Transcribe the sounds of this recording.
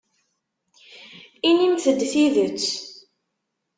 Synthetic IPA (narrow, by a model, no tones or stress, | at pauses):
inimθəd̪ːθiðət͡sː